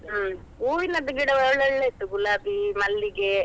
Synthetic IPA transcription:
uːʋinɐd̪ɐɡiɽɐʋɛɭɐɭːeit̪ːuɡulaːbimɐlːiɡe

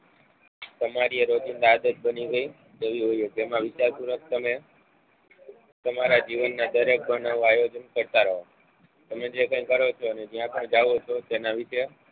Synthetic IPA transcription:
t̪əmaɾieɾod͡ʒind̪aːd̪ət̪̚bəniɡəi | t̪eʋiɦojoɡjəmãʋɪt͡ʃaɾp̪uɾək̚t̪əme | t̪əmaɾad͡ʒiʋənːad̪əɾek̚bənaʋũajod͡ʒənkəɾt̪aɾəɦo | t̪əmẽd͡ʒekə̃ĩkəɾot͡ʃʰoəned͡ʒijãpəɳd͡ʒaʋot͡ʃʰot̪enaʋɪʃe

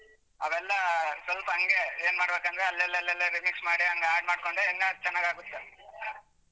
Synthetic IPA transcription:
ɐʋɛlːɐsʋɐlpɐɦɐŋɡe̞eːnmaːɽbeːkɐnd̪ɾeɐlːɛlːɛlːɛlːɐɾimiksmaːɽiɦɐŋɡeaːɖ̚maːɽko̞ɳɖeːŋɡat͡ʃɛnːaːɡaːɡut̪ːe

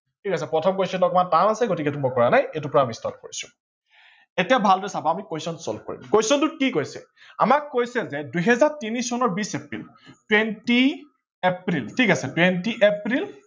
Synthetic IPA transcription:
tʰikasɛpɹɔtʰɔmkojsɔnlɔkɔmataɹasɛɡotikɛtumojkɔɹanajejtupɔɹamistɔt̚koɹisʊ̥̰ | etijabʱaldɔɛsabɔamikojsɔnsɔ̰lko̰ɹḭmkojsɔntʊkikojsɛ̰ | a̰makːojsɛzɛdujɦɛzaɹtinisɔnɔɹbisepɹḭl | twenti | epɹiltʰikasɛtwentiʔepɹil

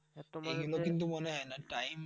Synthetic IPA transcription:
eɡulɔkint̪̬umɔnɛɦɔjnaʈajm

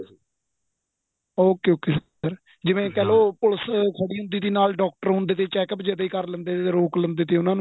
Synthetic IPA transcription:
oːkeoːkiːs | əɾ | d͡ʒɪʋẽːkɛːloːpʊləskʰəɽiːɦʊ̃nd̪iːd̪iːnaːlɖɔːk̚ʈəɾɦʊ̃nd̪eːt̪eːt͡ʃɛːkəpd͡ʒəd̪eːkəɾlənd̪eːt̪eeːɾoːklənd̪eːt̪eːʊnãːñ

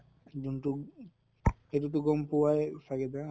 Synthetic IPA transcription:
d͡ʒuntu | hetutuɡɔmpuwaɛfaɡɛd̪a

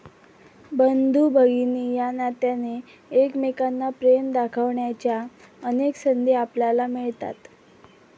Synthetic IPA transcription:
bənd̪ʱubʱəɡinijanat̪janeː | kmekanːapɾemd̪akʰəʋɳjat͡ɕja | əneksənd̪ʱeapljalamiɭt̪a̰t̪

